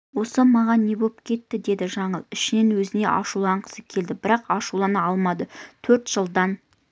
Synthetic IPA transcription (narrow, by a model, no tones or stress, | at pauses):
wo̞səmɑʁɑnːe̞bo̞p̚kʲʰe̞t̪ːɪd̪e̞d̪ɪʒɑɴəlˠɪʃɪne̞nwɵzɪne̞̰ʔɑ̰ʃulˠɑɴqʰə̥səkʲʰe̞ld̪ɪbɪɾɑqɑʃulˠɑnəɑlˠmɑd̪ət̪ʰɵɾt̪ʒ̥əlˠd̪ɑn